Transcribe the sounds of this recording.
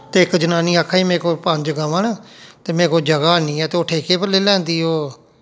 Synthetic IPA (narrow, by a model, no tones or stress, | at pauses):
t̪eːɪkd͡ʒənaːniːaːkʰːaːiːmɛ̃ːkoːpə̃nd͡ʒɡaːʋãːnaːt̪eːmɛ̃ːkoːd͡ʒəɡaːniːɛːt̪eːoːʈʰeːkeːpəɾleːlɛ̃ːnd̪iːɦoː